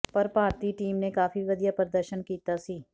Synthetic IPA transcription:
pɐɾpaːɾt̪iːʈiːmnekaːfiʋɐd̪ijapɾəd̪əɾʃənkiːt̪asiː

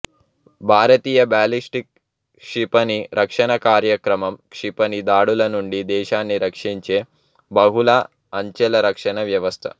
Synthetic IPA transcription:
bʱaːɾɐt̪iːjɐbaːlisʈik̚ | ʂipɐniɾʔɐkʂɐɳɐkaːɾjɐkɾɐmɐmkʂipɐnid̪aːɽulɐnuɳɖid̪ɛːʃaːnːiɾɐkʂiɲt͡ʃeː | bɐɦulaː | ɐɲt͡ʃelɐɾɐkʂɐɳɐʋjɐʋɐst̪ʰɐ̰

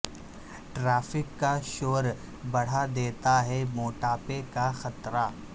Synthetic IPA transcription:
ʈɾaːfɪkːaʃoːɾ | bɐɽ̤ad̪eːt̪aɦɛmoːʈaːpekaxɐt̪ɾaː

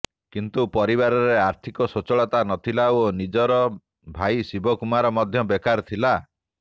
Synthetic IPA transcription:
kint̪upɔɾiβaɾɔɾeaɾt̪ʰikɔsot͡ʃɔɭɔt̪anɔt̪ʰilaonid͡ʒɔɾɔ | bʱaisibɔkumaɾɔmɔd̪ʱjɔbekaɾt̪ʰila

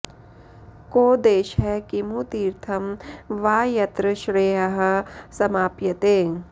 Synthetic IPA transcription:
koːd̪eːʃɦɛkimut̪iːɾt̪ʰɐmʋaːjɐt̪ɾɐʃɾeːɦɐɦɐ̆sɐmaːpjɐt̪eː

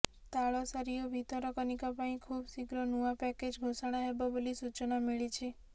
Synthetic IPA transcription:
t̪aɭɔsaɾijɔbʱit̪ɔɾɔkɔnikɔpaĩkʰubsiɡɾɔnuapɛked͡ʒɡʱosaɽ̃aɦebɔbɔlisut͡ʃɔnɔmiɭit͡ʃʰe

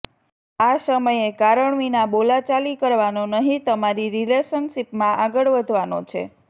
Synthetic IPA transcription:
asəməjekaɾəɳʋinabolat͡ʃalikəɾʋanonəɦĩt̪əmaɾiɾileʃənʃipmãʔaɡəɭʋəd̪ʱʋano̰t͡ʃʰḛ

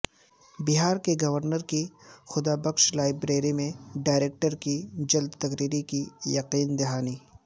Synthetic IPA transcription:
bɪɦaːɾkeɡɐʋəɾnəɾkixʊd̪abɐkʃlaːɪbɾeːɾimẽɖaːɪɾeːk̚ʈəɾkid͡ʒɐld̪t̪ɐkɾiːɾikijɐqiːnd̪ɪɦaːniː

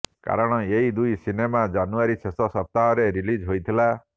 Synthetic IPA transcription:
ka̰ɾɔɽ̃ɔeɦid̪ujsinemad͡ʒanuaɾisʰesɔsɔp̚t̪aɦɔɾeɾilid͡ʒɦojt̪ʰila

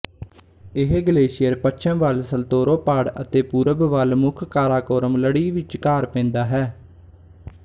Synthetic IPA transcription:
ɪɦɡəleːʃɪjəɾpət͡ʃʰəmʋəlsəlt̪oːɾoːpaːɽə̰t̪eːpuːɾəbʋəlmʊkʰkaːɾaːkoːɾəmləɽiːʋɪt͡ʃkaːɾpɛ̃ːnd̪aːɦɛː

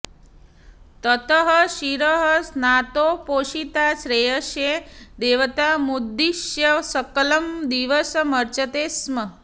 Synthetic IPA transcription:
t̪ət̪əɦəʃiɾəɦəsnat̪opoʃit̪aʃɾejəʃjed̪eːʋət̪amud̪ːiʃjəsəkələmd̪iʋəsməɾt͡ʃət̪esmə

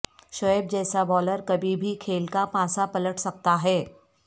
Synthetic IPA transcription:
ʃɔeb̚d͡ʑɛːsabɔːləɾkɐbʱibʱikʰeːlkapãːsapɐləʈʰsɐk̚t̪aɦɛː

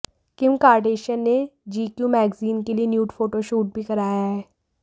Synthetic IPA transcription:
kɪmkaːɾɖeːʃənːed͡ʒiːkjuːmɛːɡziːnkelienjuːʈfʰoːʈoʃuːʈ̚bʱikɐɾaːjaɦɛː

